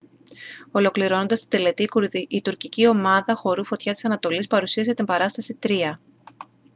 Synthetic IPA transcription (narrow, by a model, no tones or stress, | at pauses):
o̞lo̞kliɾo̞nond̪ɐst̪id̪e̞le̞t̪iit̪uɾcicio̞mɐðɐxo̞ɾufo̞t̪çɐt̪i̥sɐnɐt̪o̞lispɐɾusiɐzʝɐt̪imbɐɾɐst̪ɐsit̪ɾiɐ